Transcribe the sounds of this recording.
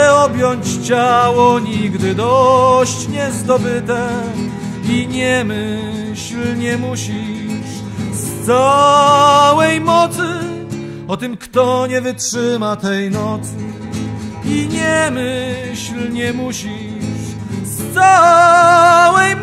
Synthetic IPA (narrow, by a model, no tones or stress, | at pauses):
ɔbʲjɔɲt͡ɕt͡ɕawɔɲiɡd̪ɘd̪ɔɕt͡ɕɲɛzd̪ɔbɘt̪ɛ | iɲɛmɘ | ɕlɲɛmuɕiʂ | st̪sa | wɛjmɔt̪sɘ | ɔt̪ɨmkt̪ɔɲɛvɘtʂɘmat̪ɛjnɔt̪sɘ | iɲɛmɘɕlɲɛmuɕi | ʂʂ | st̪sa | wɛj